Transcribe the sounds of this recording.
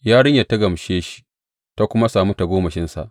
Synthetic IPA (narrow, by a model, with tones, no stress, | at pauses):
jaː˦ɽɪ˦ɲja˨tːa˦ɡɐ˨mʃeː˦ʃi̥˦ | ta˦kʷʊ˦ma˦saː˨mu˦ta˨ɡʷoː˦mɐ˨ʃɪ˦nsa̰˨ʔ